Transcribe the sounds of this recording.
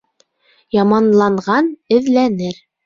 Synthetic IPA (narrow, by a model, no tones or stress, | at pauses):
jɑmɑnlˠɑɴʁɑnɘ̆ðlænɘɾ